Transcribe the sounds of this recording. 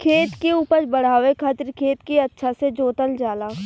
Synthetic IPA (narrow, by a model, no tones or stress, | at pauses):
kʰeːt̪kiuːpəɾbɐɽ̤aːʋekʰat̪ɾkʰeːt̪kiɐtːʃʰased͡ʒoːt̪əld͡ʒaːlaː